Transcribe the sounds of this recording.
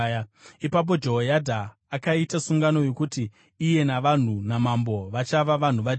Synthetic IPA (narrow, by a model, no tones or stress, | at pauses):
ipap̬o̞d͡ʒo̞ɦojadʱaː | kaitasuŋɡano̞jekutiː | je̞naʋan̤unamambo̞ʋat͡ʃaʋaʋan̤uʋa